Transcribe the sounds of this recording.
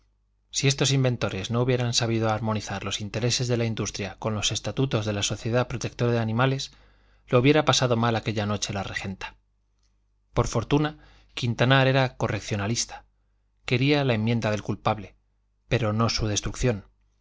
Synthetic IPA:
sie̞st̪o̞simbe̞nt̪o̞ɾe̞zno̞uβje̞ɾansaβiðo̞aɾmo̞niθaɾlo̞sint̪e̞ɾe̞se̞zðe̞laind̪ust̪ɾjako̞nlo̞se̞st̪at̪ut̪o̞zðe̞laso̞θje̞ðapɾot̪e̞k̚t̪o̞ɾaðeanĩmale̞s | louβje̞ɾapasað̞o̞malake̞ʎano̞t͡ʃe̞lare̞xe̞nt̪ḁ | po̞ɾfo̞ɾt̪una | kint̪anaɾe̞ɾako̞re̞kθjonalist̪ḁ | ke̞ɾialae̞mːjẽ̞nd̪aðe̞lkulpaβle | pe̞ɾo̞no̞suðe̞st̪ɾukθjo̞n

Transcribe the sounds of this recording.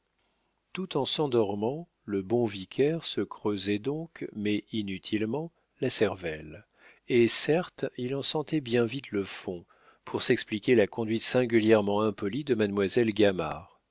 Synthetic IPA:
t̪ut̪ɑ̃sɑ̃d̪ɔʁmɑ̃ | ləbɔ̃vikʲʰɛʁsəkχøzɛd̪ɔ̃kmɛʔinyt̪ʰilmɑ̃ | lasɛʁvɛl | esɛʁt̪ilɑ̃sɑ̃t̪ɛbjɛ̃vit̪ləfɔ̃ | pʰuʁsɛksplikʲelakɔ̃d̪ɥit̪sɛ̃ɡʲyljɛʁmɑ̃ɛ̃pɔlid̪əmad̪mwazɛlɡʲama̰ːʁ

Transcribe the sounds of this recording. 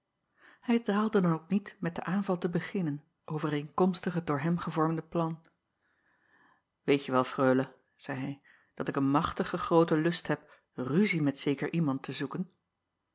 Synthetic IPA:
hɛjdaːlˠdədɑnowk̚nitmɛt̚dəʔaːnvɑlˠtəbəχɪnən | ʔowvərejŋkɔmstəχədʊːɹɦɛmχəvɔɹmdəplɑn | ʋejtəʋɛlˠfrøːlə | z̥ɛjɦɛj | d̥ɑtɪkənmɑχtəχəχrowtəlɵstɦɛp̚ | ryzimɛtsejkəɹʔimɑntəzukən

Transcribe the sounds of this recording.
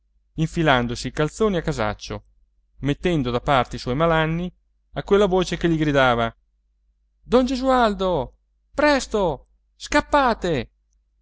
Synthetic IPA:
iɱfiland̪osiːkalt̪soːniakːaza̰t͡ʃːo | met̪ːɛnd̪od̪apart̪eiswɔjmalanːi | akwelːavoːt͡ʃekeʎːiɡɾid̪aːva | d̪ɔnd͡ʒezuald̪o | pɾɛst̪o | skapːaːt̪e

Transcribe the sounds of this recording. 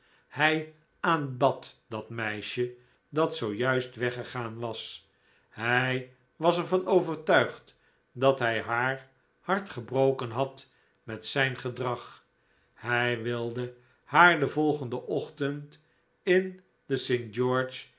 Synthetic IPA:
hɛj | aːnbɑtdɑtmɛjʃə | dɑtsowjœɥstʋɛχəχaːnʋɑs | hɛj | ʋɑsɛɹvɑnowvəɹtœɥχt | dɑtɦɛjɦaːɹ | hɑɹtχəbrowkənɦɑt | mɛtsɛjnχədrɑχ | hɛjʋɪlˠdə | haːɹdəvɔlˠχəndəʔɔχtənt | ɪn | dəsentd͡ʒɔɹt͡ʃ

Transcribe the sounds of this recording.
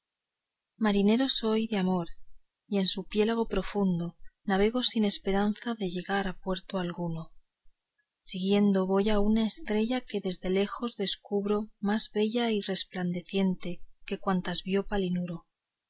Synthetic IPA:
maɾine̞ɾo̞so̞jðeamo̞ɾ | ie̞nsupje̞laɣ̞o̞pɾo̞fund̪o̞naβ̞e̞ɣ̞o̞sine̞spe̞ɾan̟θaðe̞ʝe̞ɣaɾapwe̞ɾt̪oalɣuno̞ | siɣje̞nd̪o̞βo̞jaunaest̪ɾe̞ʝake̞ðe̞zðe̞le̞xo̞zðe̞skuβɾo̞mazβe̞ʎaire̞spland̪e̞θje̞nt̪e̞ke̞kwant̪azβjo̞palinuɾo̞

